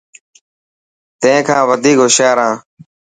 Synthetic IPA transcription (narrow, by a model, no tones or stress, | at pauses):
t̪ẽẽːkʰãːʋəd̪ʱiːkɦʊʃaːɾãː